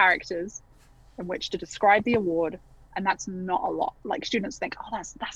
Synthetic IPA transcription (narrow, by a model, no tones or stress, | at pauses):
aɹɪk̚təz̥ | ɪ̃nwɪt͡ʃtʰədɪskɹaɪb̚ðiəwɔːd | ʔə̃nðatsnətə̰lɔ̰ʔlaɪkst͡ʃʉːdⁿn̩tsθɪ̃ŋkʰoʊðatsðats